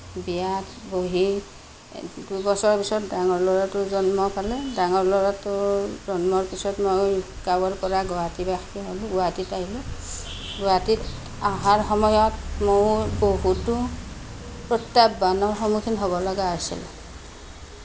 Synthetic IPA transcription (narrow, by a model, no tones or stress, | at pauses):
bijatboɦi | dubɔsɔɹpisɔtdaŋɔɹlɔɹatʊzɔnmɔpʰalɛdaŋɔɹlɔɹatʊzɔnmɔɹpisɔtmoj | kabɔɹkɔɹaɡɔwatibaxʰiaɦɔluɡʊwatitaɦilʊ | ɡuatit | aɦaɹxɔmɔjɔtmojboɦutu | pɹɔtːabːanɔɹxɔmukʰinɦobɔlɔɡaːsḭl̰